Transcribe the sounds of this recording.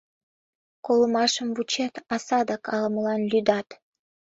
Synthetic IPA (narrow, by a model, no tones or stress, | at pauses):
kolˠə̆mɑʃəmvut͡ɕet̪ɑsɑd̪ɑkʰɑlˠɤməlˠɑnlʲyd̪ɑt̪